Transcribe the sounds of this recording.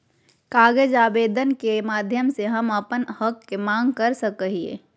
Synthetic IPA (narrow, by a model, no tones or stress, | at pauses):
kaːɡed͡ʒaːbeːd̪ənkemaːd̪ʱjəmseɦəməpənhəkːemãːŋɡkəɾsəkəɦiḛː